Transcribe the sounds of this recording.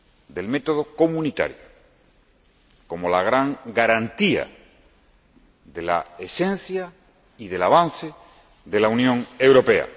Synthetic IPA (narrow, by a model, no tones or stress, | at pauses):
d̪e̞lme̞t̪o̞ð̞o̞ko̞mũnit̪a̰ɾjo̰ | ko̞mo̞laɣ̞ɾaŋɡaɾant̪ia̰ | ðe̞la̰esẽ̞n̟θja | iðe̞laβ̞an̟θe | ðe̞launjõ̞ŋe̞wɾo̞pe̞a̰